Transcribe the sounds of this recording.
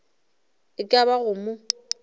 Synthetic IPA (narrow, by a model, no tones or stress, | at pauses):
ɪkʼaβaɣʊmʊ